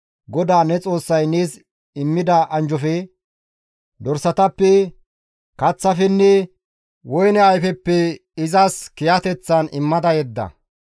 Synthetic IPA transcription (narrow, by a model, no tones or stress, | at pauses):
ɡɔd̪aːnɛt͡sʼo̞ːsːɐjneːs | ɪmːɪd̪ɐʔɐnd͡ʒɔfɛ | d̪ɔɾsɐt̪ɐpːɛ | kɐt͡sːɐfɛnːɛ | wɔjnɛɐjfɛpːɛ | ɪzɐskɪjɐt̪ɛt͡sːɐnɪmːɐd̪ɐjɛd̪ːɐ̰